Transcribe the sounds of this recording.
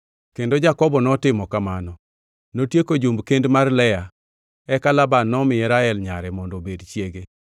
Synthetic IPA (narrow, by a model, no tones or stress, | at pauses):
kendod͡ʒakɔbɔnɔtɪmɔkamanɔ | notjekod͡ʒumbkendmarlɛja | ɛkalabanːɔmɪɛɾaɛlɲaɾɛmɔndɔbedt͡ʃjeɡe